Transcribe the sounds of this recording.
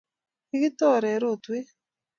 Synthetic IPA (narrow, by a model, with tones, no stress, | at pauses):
ɪ˦ɡɪ˦t̪ɔ˦ɾɛ˨˦ɾo˦˨t̪we˦